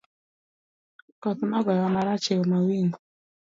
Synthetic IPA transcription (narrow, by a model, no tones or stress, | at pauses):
kɔt̪nɔɡɔjɔmaɾat͡ʃɛlmawiŋɡ